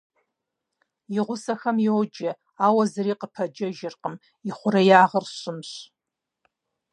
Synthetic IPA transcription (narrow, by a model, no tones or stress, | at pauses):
jɪʁʷʊsɐxɐmjwːd͡ʒɐ | aːwɐzɨɾiːqəpʰɐd͡ʒɐʒɪrqəm | ɪχʷʊɾɐjaːʁərɕɪmɕ